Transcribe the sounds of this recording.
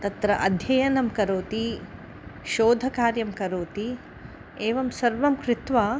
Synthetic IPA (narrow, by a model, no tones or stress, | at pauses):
t̪ɐt̪ɾɐʔɐd̪ʱjɐjɐnɐmkɐɾoːt̪i | ʃoːd̪ʱɐkaːɾjɐmkɐɾoːt̪i | eːʋɐmsɐɾʋɐmkɾɪt̪ʋaː